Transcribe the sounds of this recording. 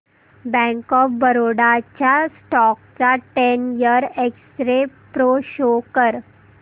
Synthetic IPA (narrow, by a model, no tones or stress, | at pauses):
bɛ̃ŋkɔfbəɾoɽat͡ɕjasʈɔk̚t͡saʈenjəɾeksʈɾepɾoɕokəɾ